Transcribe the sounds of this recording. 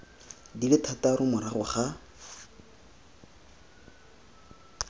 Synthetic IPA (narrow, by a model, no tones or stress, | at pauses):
dilɪtʰataɾʊmʊɾaχʊχa